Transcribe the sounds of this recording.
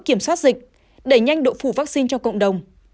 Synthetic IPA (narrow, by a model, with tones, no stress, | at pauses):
ki˧˩əmswaː˦˥t̚zï˨˩k̟̚ | ɗe˧˩ɲa˧jŋɗo̰˧˨fu˧˩vaː˦˥k̚si˧nt͡ɕɔ˧wkə̰˧˨wŋ͡mɗə˨˩wŋ͡m